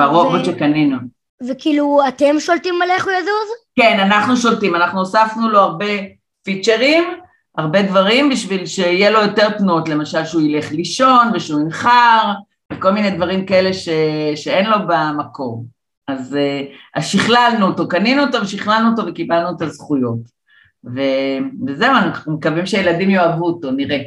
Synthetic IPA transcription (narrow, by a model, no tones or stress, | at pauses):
baʁobotʃekaninu | vekiːluat̪emʃoltimːaleχujazuʁzke̞nanaχnuʃo̞ltimanaχnuosafnulo̞aʁbe̞ | fit͡ʃeʁim | aʁbe̞d̪vaʁimbiʃvilʃe̞ijelo̞jo̞te̞ʁpnuot̪le̞maʃalʃeuile̞χliʃo̞nveʃuminχaʁ | vekolmine̞jd̪vaʁimkae̞le̞ʃeʃe̞enlo̞bamako̞m | azeaʃiχlalnuot̪o̞kaninuotoveʃiχlalnuot̪o̞vekibalnuet̪azχujo̞t | veveze̞uanaχχnumekavimʃejeladimjoavuto̞niʁe̞